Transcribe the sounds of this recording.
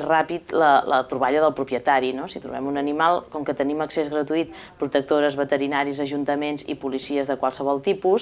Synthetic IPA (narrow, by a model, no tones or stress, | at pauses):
rapit̪lələ̰t̪ɾuβaʎəðəlˠpɾupjət̪aɾinosit̪ɾṵβɛmunənimalˠkɔŋkət̪əniməksezɣɾət̪uit̪̚ | pɾut̪ək̚t̪oɾəzβət̪əɾinaɾizəʒunt̪əmenzḭpulisiəzðəkwalˠsəβɔlˠt̪ipus